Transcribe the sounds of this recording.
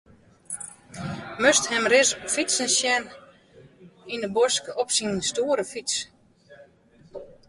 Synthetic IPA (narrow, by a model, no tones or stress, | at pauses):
møsthɛmrɪsfisənsjɛn | inəbɔskəɔpsinstuːəɾəfis